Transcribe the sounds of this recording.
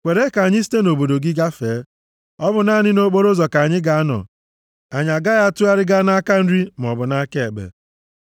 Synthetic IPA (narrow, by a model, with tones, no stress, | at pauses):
kʷe˨ɾe˦ka˨a˨ɲɪ˦si̥˦te˦no˨bo˨do˨ɡɪ˦ɡa˦feː˨˦ | ɔ˦bʊ˨na˦˨ɲɪ˦no˦k͡po˦ɾo˦zɔ˨ka˨a˨ɲɪ˦ɡa˨a˦nɔ̰˨ | a˨ɲa˨ɡa˦ɣa˦tu˦a˦ɾɪ˦ɡa˦na˦ka˦n̩˦ɾi˦m˨ɔ˨bʊ˨na˦ke˦e˨ɡ͡bḛ˨